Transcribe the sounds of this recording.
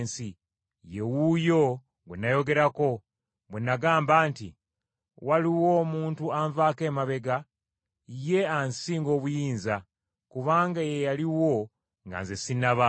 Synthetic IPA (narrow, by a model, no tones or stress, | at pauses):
nsi | je̞wujo̞ | ɡwḛnːajo̞ɡe̞ɾako̞ | βwenːaɡaːmbaːnti | waliwo̞ːmuːntuaɱvaːke̞ːmaβe̞ɡa | je̞ansiːŋɡo̞ːβujiːnza | kuβaːŋɡajejaliwo̞ | ŋɡa̰nzesinaβa